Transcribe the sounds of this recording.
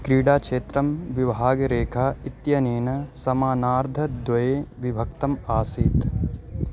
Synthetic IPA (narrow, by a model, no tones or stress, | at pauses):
kɾiːɖaːkʂeːt̪ɾɐmʋiʋɦaːɡɾeːkʰaːit̪jɐneːnɐsɐmaːnaːɾd̪ʱɐd̪wʋɐjeːʋibʱɐk̚t̪ɐmaːsiːt̪